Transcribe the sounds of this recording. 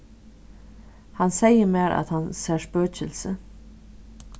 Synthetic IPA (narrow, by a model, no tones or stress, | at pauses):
hansɛjəmæːɾʔa̰t̪hansɛʂpøːt͡ʃɪlsə